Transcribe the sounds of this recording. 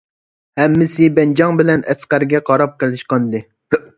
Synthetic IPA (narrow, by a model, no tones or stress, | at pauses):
hɛmːɪsɪbɛnd͡ʒɑŋbɪlɛnɛsqæɾɡʲɛqʰɑɾɑp̚qəlˠɪʃqɑnd̪ɨ